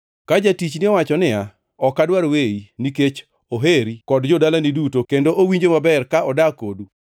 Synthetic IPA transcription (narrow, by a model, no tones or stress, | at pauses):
kad͡ʒatit͡ʃnɪɔwat͡ʃɔnɪa | ɔkːadwaɾweiniket͡ʃ | oɦeɾikɔdd͡ʒɔdalanidutokendoʔowiɲd͡ʒomabɛrkaɔdakodu